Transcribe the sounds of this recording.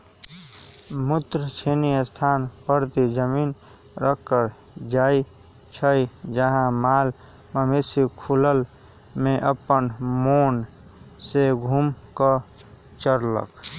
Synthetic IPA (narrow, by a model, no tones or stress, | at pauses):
mut̪ɾət͡ʃʰeniəst̪ʰaːnpəɾt̪id͡ʒəmiːn | ɾəkːəɾ | d͡ʒaːi | t͡ʃʰəid͡ʒəɦãmaːl | məmesikʰuləl | mẽʔəpənmoːn | seɡʱumkə | t͡ʃəɾlə̰k